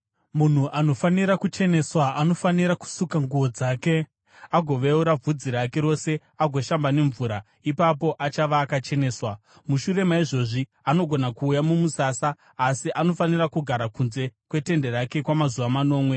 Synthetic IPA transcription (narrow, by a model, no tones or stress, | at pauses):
mun̤uʔano̞faniɾakut͡ʃe̞ne̞swaano̞faniɾaku̥sukaŋɡuʋo̞d͡zaːke̞ | aɡʱo̞ʋeuɾab͡vʱud͡ziɾake̞ɾo̞se̞ | aɡʱo̞ʃambane̞ɱvuːɾa | ipapo̞ʔat͡ʃaʋaːkat͡ʃe̞ne̞ːswa | muʃuɾe̞maiʐo̞ʐi | ano̞ɡʱo̞nakuːjamumusasaː | siʔano̞fanirakuɡʱaɾakunze̞kwe̞te̞nde̞ɾake̞kwamazuʋamano̞ːmwe̞